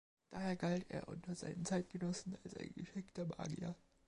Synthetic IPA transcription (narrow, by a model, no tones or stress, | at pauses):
d̥aːheːɐɡaltʰḛːɐʔʊ̰ntɐza̰ɪnənt͡saɪt̚ɡ̥ənɔsn̩alsʔa̰ɪnɡ̥əʃɪktɐma̰ːɡiɐ̰